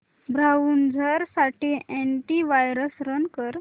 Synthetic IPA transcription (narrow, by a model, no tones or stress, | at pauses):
bɾaʋuːnd͡zʱəɾsaʈiʔeɳʈiʋajɾəsɾənkəɾ